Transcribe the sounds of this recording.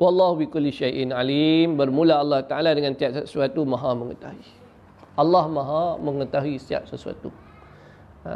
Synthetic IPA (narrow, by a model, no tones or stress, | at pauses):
wɑlːahubikʊlːiʃajʔnalimbərmũlaalːɑht̪aʔaladəŋãnt̪iaʔssuat̪umãɦamə̃ŋə̰t̪aɦuwi | ɑlːɑhmãɦãməŋət̪aɦuisia̰ʔ̚səsua̰t̪ṵ